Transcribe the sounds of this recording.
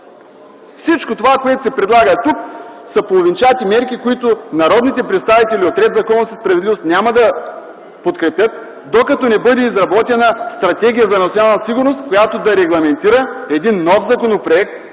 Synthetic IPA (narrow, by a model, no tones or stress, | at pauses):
fsit͡ʃkot̪ovakoɛt̪osɛpɾɛd̪lˠaɡət̪uksɐpolˠovint͡ʃat̪imɛɾkikoit̪ʊnɐɾɔd̪nit̪ɛpɾɛt̪st̪avit̪ɛlʲiot̪ɾɛd̪zɐkɔnosəspɾɐvɛd̪livost̪nʲamɐd̪ɐ | pot̪kɾɛpʲjət̪̚ | d̪okɐt̪ɔnɛbɤd̪ɛizɾɐbɔt̪ɛnəst̪ɾɐt̪ɛɡʲijəzɐnɐt̪sʲjonalˠnɐsiɡʊɾnost̪kojat̪od̪ɐɾɛɡlˠɐmɛnt̪iɾəɛd̪inːɔfzɐkonopɾoɛk̚t̪